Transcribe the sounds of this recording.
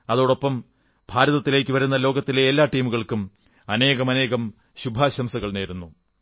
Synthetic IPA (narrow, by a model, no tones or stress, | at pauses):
ɐðo̞ːɽo̞pːɐm | bʱaːɾɐðɐt̪ːile̞ːkʲːɨʋɐɾunːɐlo̞ːɡɐt̪ːileːlːaːʈiːmuɣɐɭkum | ɐne̞ːɣɐmɐne̞ːɣɐm | ɕubʱaːɕɐmsɐɣɐɭne̞ːɾunːu